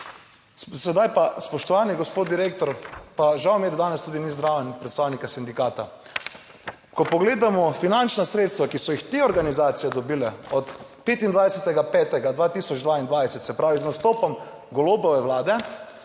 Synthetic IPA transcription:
sɛd̪ajpaspɔʃt̪ɔʋaːniɡɔspoːt̪̚d̪iɾeːkt̪ɔɾpaʒawmjɛd̪d̪aːnɛst̪uːd̪inizd̪ɾaːʋɛnpɾɛt̪st̪aːwnikasind̪ikaːt̪a | kɔpɔɡleːd̪amɔfinant͡ʃnasɾeːt̪st̪ʋakisɔjixt̪eːɔɾɡanizaːt̪sijɛd̪ɔbiːlɛɔt̪peːt̪ind̪ʋajsɛt̪ɛɡapɛːt̪ɛɡad̪ʋaːt̪iːsɔd͡ʒd̪ʋaːind̪ʋajsɛt̪sɛpɾaːʋiznast̪oːpɔm | ɡɔloːbɔʋɛʋlaːd̪ɛ

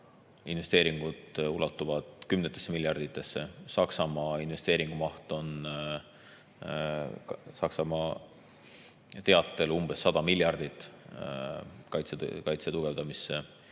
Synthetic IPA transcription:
inve̞st̪e̞ːɾiŋɡ̥ud̪̥ulɑt̪ˑːuvɑd̪̥kymnet̪ːˑesːemiljɑrd̪it̪ˑːe̞sːe̞sɑksɑmɑinve̞st̪e̞ːɾiŋɡ̥umɑht̪o̞n | sɑksɑmɑ | t̪e̞ɑt̪ːˑe̞lumb̥e̞sːɑd̪̥ɑmiljɑrd̪̥it̪ːˑ | kɑjt̪sekɑjt̪set̪uɡ̥e̞vd̪̥ɑmisːe

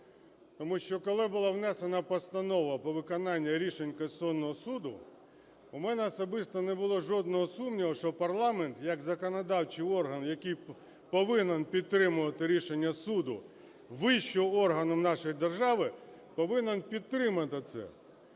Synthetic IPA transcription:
t̪ɔmuʃt͡ʃɔkɔlˠɪbʊlˠɑʋnɛsenɐpɔst̪ɐnɔʋɐpɔʋɪkɔnɑnʲːɐɾʲiʃenʲkɐsɔnːɔɦɔsud̪ʊ | umɛnɛɐsɔbɪst̪ɔnebʊlˠɔʒɔd̪̚nɔɦɔsumnʲiɦɔʃt͡ʃɔpɐrlˠɑment̪jɐkzɐkɔnɐd̪ɑwt͡ʃɪjɔrɦɐnjɐkɪj | pɔʋɪnenpʲid̪̚t̪ːɾɪmʊʋɐt̪ɪɾʲiʃenʲːɐsud̪ʊ̰ | ʋɪʃt͡ʃɔɔrɦɐnɔmnɑʃɔjd̪erʒɑʋɪ | pɔʋɪnenpʲid̪̚t̪ːɾɪmɐt̪ɪt̪sɛ̰

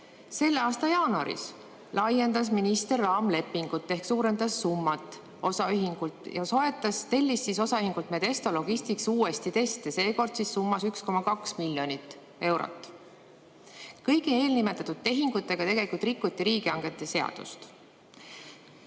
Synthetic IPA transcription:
se̞lːeɑːst̪ɑjɑːnuɑ̰ɾḭs | lʔɑje̞nd̪̥ɑsminist̪e̞rːɑːmle̞pːiŋɡ̥ut̪ːe̞hksuːɾe̞nd̪ɑsːumːɑt̪ːˑ | o̞sɑyɦiŋɡ̥ult̪jɑso̞e̞t̪ːˑɑst̪e̞lʲːisːiso̞sɑyɦiŋɡ̥ult̪met̪e̞st̪o̞lo̞ɡ̥ist̪iksuːe̞st̪it̪e̞st̪ese̞ːko̞rd̪̥sisːumːɑsyksko̞mɑkɑksmilʲjo̞nit̪ːˑ | e̞wɾo̰t̪ːˑ | kɤjɡie̞ːlnime̞t̪ːˑɑt̪ud̪̥̚t̪e̞ɦiŋɡ̥ut̪ːˑe̞ɡ̥ɑt̪e̞ɡ̥e̞likult̪rikːut̪ːˑiɾiːɡ̥iɑŋɡ̥e̞t̪ːˑe̞se̞ɑ̰d̪̥ṵst̪

